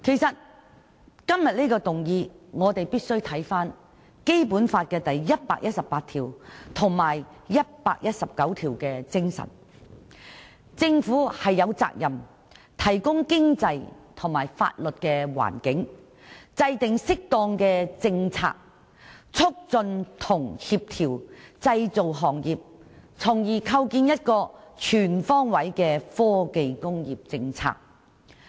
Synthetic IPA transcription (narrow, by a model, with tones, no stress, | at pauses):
kʰe˨˩jsɐ˨t̚ | kɐ˥mjɐ˨t̚li˥kɔː˧t̪ʊ˨˩ŋjiː˧ŋɔː˨˧t̪e˨jpiː˥t̚sɵ˥ɥt̪ʰɐ˨˥jfaː˥n | ke˥jpuː˨˥nfaː˧t̚kɛː˧t̪ɐ˨jːɐ˥t̚pa̰ː˧k̚jʔɐ˥t̚sɐ˨pːaː˧t̪ʰiː˨˩wt̪ʰʊ˨˩ŋmaː˨˩jjɐ˥t̚paː˧k̚jɐ˥t̚sɐ˨p̚kɐ˨˥wt̪ʰiː˨˩wkɛː˧t͡sɪ˥ŋsɐ̰˨˩n | t͡sɪ˧ŋfuː˨˥hɐ˨jːɐ˨˧wt͡sa̰ː˧k̚jɐ˨˩m | t̪ʰɐ˨˩jkʊ˥ŋkɪ˥ŋt͡sɐ˧jt̪ʰʊ˨˩ŋmaː˨˩jfa̰ː˧t̚lɵ˨t̚kɛː˧wa̰ː˨˩nkɪ˨˥ŋ | t͡sɐ˧jt̪ɪ˨ŋsɪ˥k̚t̪ɔː˧ŋkɛː˧t͡sɪ˧ŋt͡sʰa̰ː˧k̚ | t͡sʰʊ˥k̚t͡sɵ˧nt̪ʰʊ˨˩ŋhiː˧p̚t̪ʰiː˨˩wt͡sɐ˧jt͡so˨wɦɔː˨˩ŋjiː˨p̚t͡sʰʊ˨˩ŋjiː˨˩kʰɐ˧wkiː˧njɐ˥t̚kɔː˧t͡ʃʰyː˨˩nfɔː˥ŋwɐ˨˥jkɛː˧fɔː˥ke˧jkʊ˥ŋjiː˨p̚t͡sɪ˧ŋt͡sʰa̰ː˧k̚